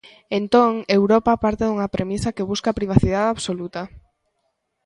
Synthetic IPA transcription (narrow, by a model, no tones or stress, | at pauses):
ent̪oŋewɾɔpapaɾt̪eðuŋapɾʔemisakeβ̞uskapɾiβ̞aθið̞aðaβsolut̪a